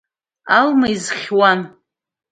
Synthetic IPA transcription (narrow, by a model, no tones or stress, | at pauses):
almaizχʲwan